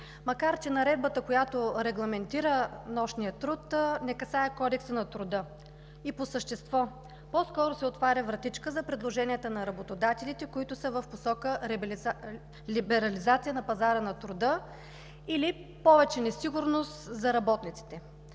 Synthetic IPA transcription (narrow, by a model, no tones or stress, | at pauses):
mɐkaɾt͡ʃɛnɐɾɛd̪̚bət̪əkojat̪oɾɛɡlˠɐmɛnt̪iɾənɔʃnijət̪ɾut̪nɛkɐsaɛkɔd̪ɛksənɐt̪ɾʊd̪ɤ | iposəʃt̪ɛst̪vɔ | pɔskɔɾʊsɛot̪vaɾʲəvɾɐt̪it͡ʃkəzɐpɾɛd̪lˠoʒɛnijət̪ənɐɾɐbot̪od̪at̪ɛlit̪ɛkoit̪ʊsəvəfposɔkəɾɛ | libɛɾɐlizat̪sʲijənɐpɐzaɾənɐt̪ɾʊd̪ə | ili | pɔvɛt͡ʃɛnɛsiɡʊɾnost̪zɐɾɐbɔt̪nit̪si̥t̪ɛ